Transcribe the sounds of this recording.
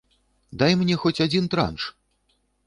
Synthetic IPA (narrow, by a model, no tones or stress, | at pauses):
d̪ajmnʲɛxɔt͡sʲad͡zʲint̪ɾa̰nʂ